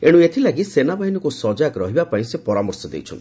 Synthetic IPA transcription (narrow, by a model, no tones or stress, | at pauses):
eɽ̃uet̪ʰilaɡisenabaɦinɔkusɔd͡ʒakɾɔɦibapaĩsepɔɾamɔɾsɔd̪ḛjt͡ʃʰɔ̰nt̪i